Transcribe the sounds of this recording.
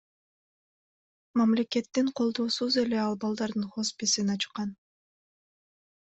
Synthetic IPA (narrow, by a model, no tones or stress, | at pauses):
mɑmle̞ke̞t̪ːiɴqʰo̞lˠd̪o̞ːsuze̞le̞ɑlˠbɑlˠd̪ɑɾd̪ɯnχo̞spesinɑt͡ʃqɑn